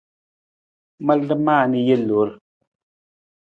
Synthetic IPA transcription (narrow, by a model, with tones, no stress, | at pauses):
mə˦˨lə˦maː˦˨ni˨je˦lo˨˦ɾ